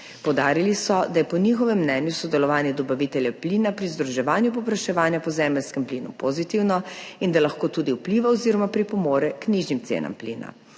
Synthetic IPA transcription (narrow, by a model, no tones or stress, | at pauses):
pɔwd̪aːɾilisɔd̪ajɛpɔnixɔʋɛmːnɛːnjusɔd̪ɛlɔʋaːnjɛd̪ɔbaʋit̪ɛljɛpliːnapɾizd̪ɾuʒɛʋaːnjupɔpɾaʃɛʋaːnjapɔzɛːmɛlskɛmpliːnṵpozit̪iwnɔind̪alaxkoːt̪uːd̪iupliːʋaoziɾɔmapɾipɔmoːɾjɛkniʒnimt̪sḛːna̰mplḭːna̰